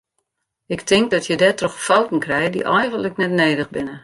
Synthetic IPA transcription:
ɪktʰɪŋk̚dɔtʰjədɛtrɔxfowtn̩krɛjdḭʔɛjɣəntləknɛtneːdəxbɪnə

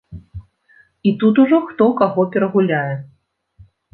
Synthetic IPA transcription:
it̪ut̪̬uʐɔxt̪ɔwkaɣɔpʲɛɾɐɣulʲajɛ

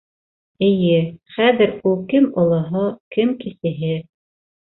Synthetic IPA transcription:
ɘ̆jɘχæðɘ̆ɾulˠkɘmŏlˠɤ̆ɦɤkɘmkisɘ̆ɦɘ

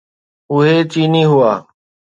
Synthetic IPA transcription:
ʊɦeːt͡ʃiːniːɦʊaː

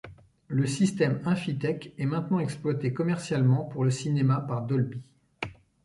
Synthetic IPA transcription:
ləsist̪ɛmɛ̃fit̪ɛkɛmɛ̃t̪nɑ̃ɛksplwat̪ekɔmɛʁsjalmɑ̃puʁləsinemapaʁd̪ɔlbi

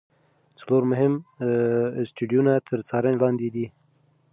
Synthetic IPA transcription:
t͡saloɾmʊɦɪm | sʈiɖijunat̪ʰəɾt͡sɑɾənelɑnd̪ed̪i

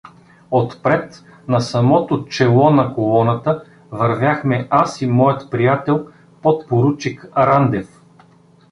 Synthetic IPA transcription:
ot̪pɾɛt̪ | nɐsɐmɔt̪ot͡ʃɛlˠɔnɐkolˠɔnət̪ə | vɐɾvʲjaxmɛʔasimɔjət̪pɾijat̪ɛlˠ | pot̪̚poɾut͡ʃikɐɾand̪ɛf

